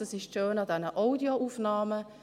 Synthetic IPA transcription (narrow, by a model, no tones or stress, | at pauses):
əsɪʃʃøːnɑdɛnəʔɔʊdioʔuːfnɑːmə